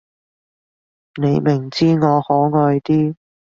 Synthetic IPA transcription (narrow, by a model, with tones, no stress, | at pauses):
ne˨˧jmɪ˨˩ŋt͡siː˥ŋɔː˨˧hɔː˨˥ŋɔː˧jt̪iː˥